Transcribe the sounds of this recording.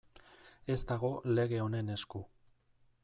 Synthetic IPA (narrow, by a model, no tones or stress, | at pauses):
e̞zt̪aɣo̞le̞ɣ̞e̞o̞ne̞ne̞sku